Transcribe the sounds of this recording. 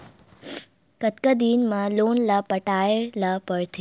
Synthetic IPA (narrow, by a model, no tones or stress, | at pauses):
kət̪kəd̪inmãlonlapəʈaelapəɭt̪ʰi